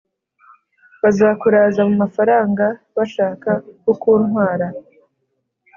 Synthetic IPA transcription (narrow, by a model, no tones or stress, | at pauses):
βazaːkuɾaːzamumafaɾaːŋɡa | βaʃaːkaukuːnhwaːɾa